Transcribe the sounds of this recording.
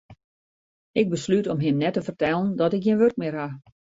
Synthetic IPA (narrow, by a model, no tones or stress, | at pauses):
ɪɡ̚bəslytɔmɦɪmnɛtəfərtɛlˠəndɔtɪkjiənʋørk̚mɪərɦa